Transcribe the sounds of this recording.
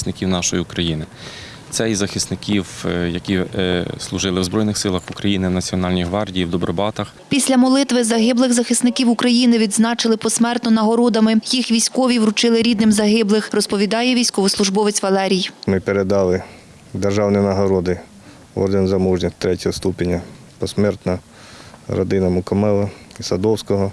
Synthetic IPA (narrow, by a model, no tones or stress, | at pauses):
snɪkʲiwnɑʃɔjiukɾɐjinɪ | t̪sɛizɐxɪsnɪkʲiwjɐkʲislˠʊʒɪlˠɪwzbɾɔjnɪxsɪlˠɐxukɾɐjinɪwnɐt͡sʲiɔnɑlʲnʲiɦʋɑrdʲijiwd̪ɔbɾɔbɑt̪ɐxpʲisʲlʲɐmɔlˠɪt̪ʋɪzɐɦɪblˠɪɣzɐxɪsnɪkʲiwʊkɾɐjinɪʋʲid̪znɑt͡ʃɪlˠɪpɔsmɛrt̪nɔnɐɦɔɾɔd̪ɐmɪjixʋʲijsʲkɔʋʲiwɾʊt͡ʃɪlˠɪɾʲid̪nɪmzɐɦɪblˠɪxrɔspɔʋʲid̪ɑjɛʋʲijsʲkɔʋʊslˠʊʒbɔʋɪt͡sʲʋɐlˠɛɾʲijmɪpeɾed̪ɑlˠɪ | d̪erʒɑwnijnɐɦɔɾɔd̪ɪ | ɔ̰rd̪enzɐmuʒnʲɪt̪ɾɛtʲɐɦɔst̪upʲenʲɐ | pɔsmɛrt̪nɐ | ɾɔ̰d̪ɪnɐmʊkɔmɛlˠɐisɐd̪ɔwsʲkɔɦɔ